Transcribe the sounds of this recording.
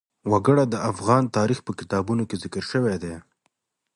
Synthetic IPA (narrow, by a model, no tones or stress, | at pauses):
waɡəɽad̪əafɣɑnt̪ɑɾixpəkɪt̪ɑbunokezɪkəɾʃəwed̪e